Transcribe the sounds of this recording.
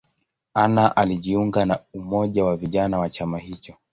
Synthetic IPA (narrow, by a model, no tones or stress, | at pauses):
anaʔaliʄiuŋɡanaumɔʄawaviʄanawat͡ʃamahit͡ʃɔ